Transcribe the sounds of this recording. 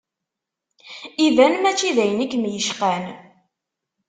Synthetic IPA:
iðænmæt͡ʃːiðæjnəkːmjəʃqæn

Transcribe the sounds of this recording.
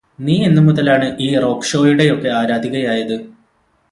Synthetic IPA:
niːenːuɨmuðɐlaːɳɨʔiːro̞ːkʂo̞ːjuɽe̞o̞kːe̞aːɾaːd̪ʱiɣɐjaːjɐðɨ

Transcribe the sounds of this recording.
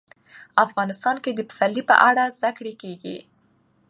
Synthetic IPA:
afɣɑnɪst̪ɑnked̪əmə̥salːipə̰ʔaɽazd̪akɽekeɡḭ

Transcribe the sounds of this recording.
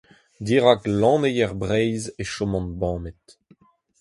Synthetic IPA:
d̪iːʁaklɑ̃ːnejɛʁbʁɛjzeʃɔmɑ̃nbɑ̃ːmet̪

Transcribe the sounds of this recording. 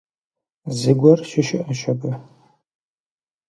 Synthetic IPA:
zɨɡʷɔrʃɪʃɪʔɐʃɐbɨ

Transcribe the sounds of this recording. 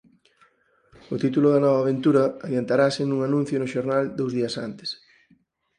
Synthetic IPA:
ʊt̪it̪ulʊðɐnɔβ̞ɐaːβ̞ent̪uɾɐaðjant̪aɾasɪnũŋanũn̟θjʊnʊʃoɾnald̪owzðiɐsant̪ɪ̥s

